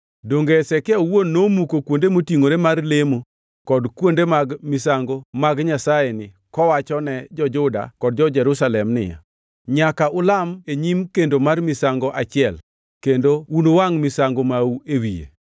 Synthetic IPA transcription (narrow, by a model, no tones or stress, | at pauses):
doŋɡeɛsɛkɪawonːomukokwondemotiŋoɾemarlemo | kɔdkwondemaɡmɪsaŋɡomaɡɲasajenɪ | kɔwat͡ʃɔnɛd͡ʒɔd͡ʒʊda̰kɔd̚d͡ʒɔd͡ʒɛɾusalɛmnɪ̰ja̰ | ɲakaʔʊlameɲimkendomarmɪsaŋɡɔʔat͡ʃɪɛl | kendounowaŋmɪsaŋɡomauewijḛ